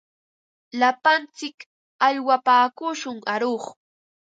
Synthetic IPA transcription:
lapant͡sɪk | aʎwapaːkʊʃʊŋaɾoχ

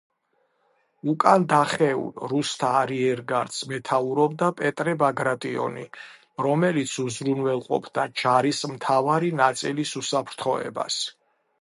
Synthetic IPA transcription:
ukʼand̪aχɛṵlɾust̪ʰaːɾiɛɾɡaɾd̪smɛt̪ʰauɾɔb̚d̪apʼɛt̪ʼɾɛbaɡɾat̪ʼiɔ̰ni | ɾɔmɛlit̪sʰuzɾunvɛlˠqʼɔ̰pʰd̪̥ad͡ʒaɾismt̪ʰavaɾinat̪sʼilisusapʰɾt̪ʰχɔɛ̰ba̰s

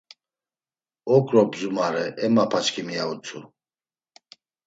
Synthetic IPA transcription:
ɔkʼɾɔbzumaɾɛʔɛmapʰat͡ʃkʰimijaut͡sʰʼu

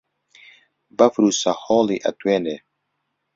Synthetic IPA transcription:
bɐfɾusahɔːliʔɐ̰t̪weːne

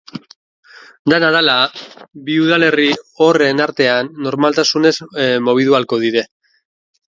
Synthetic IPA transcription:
d̪anaðalabiuðale̞rio̞re̞naɾt̪e̞anːo̞ɾmalt̪asune̞zmo̞β̞iðualko̞ðiɾe̞

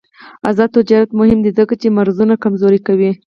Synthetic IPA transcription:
a̰zɑd̪̚t̪ʊd͡ʒɑɾat̪mʊhɪmd̪izəkat͡ʃemaɾzunakamzoɾikawi

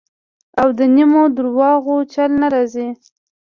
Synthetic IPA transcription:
awd̪ənimod̪ʊɾwɑɣot͡ʃalnaɾɑzi

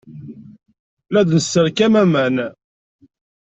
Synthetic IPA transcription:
læðnəsːəɾkæmæmæn

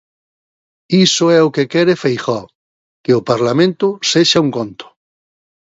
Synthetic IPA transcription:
isoɛokekɛɾefejxɔ | keopaɾlamẽnt̪ʊseʃauŋkõnt̪o̥

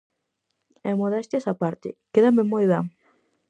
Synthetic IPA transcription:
ɛmoðɛst̪esapaɾt̪ɪ̰keðamemojβeŋ

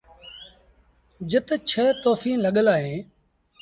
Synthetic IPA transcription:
d͡ʒət̪t͡ʃʰət̪oːfiːnləɠəlaːɦẽː

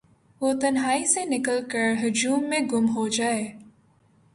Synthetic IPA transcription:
ʋoːt̪ɐnɦaːisenɪkəlkəɾɦʊd͡ʒuːmːẽɡʊmɦod͡ʒaːeː

